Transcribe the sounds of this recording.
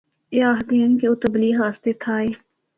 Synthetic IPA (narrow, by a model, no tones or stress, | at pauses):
eaːɦd̪iːənkeot̪əbliːɦaːst̪et̪ʰaːeː